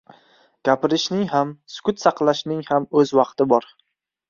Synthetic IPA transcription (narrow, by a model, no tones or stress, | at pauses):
ɡ̥ʲapɪɾɪʃnɪŋɦamsʊ̥kʰʲʊt̪sɑqlˠaʃnɪŋhamɵzwɑqt̪ɪbɒɾ